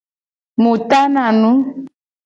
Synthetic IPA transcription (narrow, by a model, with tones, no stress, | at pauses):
mu˨ta˦na˨nũ˦